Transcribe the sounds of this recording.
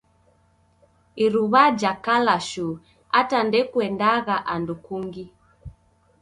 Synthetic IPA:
iɾuβad͡ʒakalaʃu | atandɛkuɛndaɣaʔandukuŋɡi

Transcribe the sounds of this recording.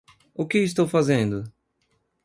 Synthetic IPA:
ʊkɪis̬t̪owfazẽnd̪ʊ

